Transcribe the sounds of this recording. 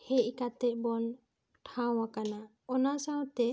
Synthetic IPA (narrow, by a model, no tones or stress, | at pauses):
hɛʔ̚kat̪ɛʔ̚ˀbɔn | ʈʰaw̃akana | ɔnasawt̪ɛ